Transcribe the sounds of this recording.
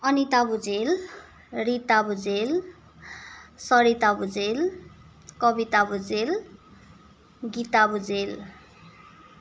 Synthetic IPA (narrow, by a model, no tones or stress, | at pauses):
ʌnit̪abud͡zel | rit̪abud͡zel | sʌɾit̪abud͡zel | kʌbit̪abud͡zel | ɡit̪abud͡zel